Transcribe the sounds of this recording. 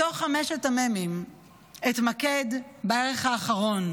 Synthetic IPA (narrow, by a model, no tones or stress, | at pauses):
toχameʃatamemim | etmakedbaeʁeχhaːχaʁo̞n